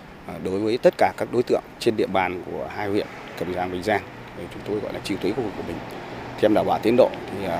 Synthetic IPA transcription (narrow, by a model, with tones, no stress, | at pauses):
ɗo˨˦jvəː˨˦jt̪ə˦˥t̚kaː˧˩kaː˦˥k̚ɗo˨˦jt̪ɨ̰˧˨əŋt͡ɕe˧nɗḭ˧əɓaː˨˩nku˧˩əɦaː˧jhwḭ˧˨ən | kə˨˩mzaː˧˩nvḭ˨˩ŋ̟zaː˧ŋʰ | i˨˩t͡ɕʊ˨˦ŋ͡mt̪o˧jɣɔ̰˧˨jlaː˨˩t͡ɕi˧˨ət̪wi˨˦jkːkwi˨˩kːu˧˩mï˨˩ŋ̟t̪ʰɛ˧mɗaː˧˩waː˧˩t̪i˨˦ənɗo̰˧˨t̪ʰi˨˩˨